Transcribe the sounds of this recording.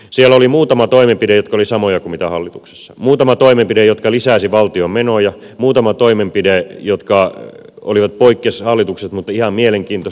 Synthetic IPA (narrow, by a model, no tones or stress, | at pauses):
sielːolimuːt̪ɑmɑt̪oimempidejot̪kɑolisɑmojɑkumit̪æhɑlːit̪ukse̥sːɑ̥muːt̪ɑmɑt̪oimempidejot̪kɑlisæːˑsiʋɑlt̪iommenojɑ | muːt̪ɑmɑt̪oimempidejot̪kɑ | o̰liʋɑt̪̚poikːeshɑlːit̪ukset̪mut̪ːɑihɑmmieleŋkiːnt̪os